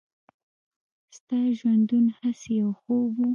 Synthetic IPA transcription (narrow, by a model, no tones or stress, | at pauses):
st̪ɑʒwand̪unhasejawxobu